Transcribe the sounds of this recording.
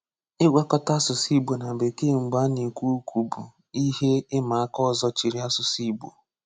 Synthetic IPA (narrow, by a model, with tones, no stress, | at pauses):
ɪ˦ɡʷa˦kɔ˦ta˦sʊ˨si˦bo˨na˨be˨ke˦˨ŋ͡m̩˨ɡ͡ba˦ni˨kʷu˦kʰʷu˨bu˨ | i˦ɦe˦ɪ˦ma˨a˦kɔ˦˨zɔ˦t͡ʃi˨ɾi˦a˦sʊ˨si˦bṵ˨